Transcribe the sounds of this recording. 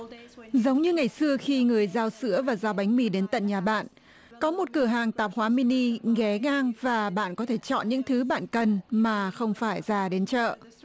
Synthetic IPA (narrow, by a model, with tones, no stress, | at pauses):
zə˨˦wŋ͡mɲɨ˧ŋa˨˩jsɨ˧əxi˧ŋɨ˨˩əjzaː˧wsɨ̰˧˥əvaː˨˩zaː˧wɓa˨˦jŋ̟mi˧˩ɗe˨˦nt̪ə̰˧˨nɲaː˨˩ɓa̰ː˧˨n | kɔ˨˦mo˨˩t̚kɨ˧˩əɦaː˨˩ŋt̪aː˨˩p̚hwaː˨˦mi˧ni˧ɣɛ˨˦ŋaː˧ŋvaː˨˩ɓa̰ː˧˨nkɔ˨˦t̪ʰe˧˩t͡ɕɔ̰˧˨nɲɨ̰˧˥ŋt̪ʰɨ˨˦ɓa̰ː˧˨nkə˨˩nmaː˨˩xə˧wŋ͡mfaː˧˩jzaː˧˩ɗe˨˦nt͡ɕə̰ː˧˨